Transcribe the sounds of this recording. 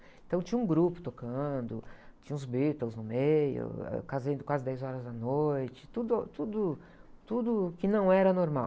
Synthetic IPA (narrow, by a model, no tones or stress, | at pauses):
ẽt̪ɐ̃w̃t͡ʃĩɲɐ̃ũɡɾupʊ̥t̪okɐ̃d̪ʊt͡ʃĩɲɐ̃ũzbit̪owznʊmejʊ̰ɛ̰kazẽd̪ʊkwazɪd̪ɛjzɔɾɐzd̪ɐnojt͡ʃɪ̥t̪ud̪ʊat̪ud̪ʊ | t̪ud̪ʊkɪnɐ̃w̃ɛɾɐnoɾmaw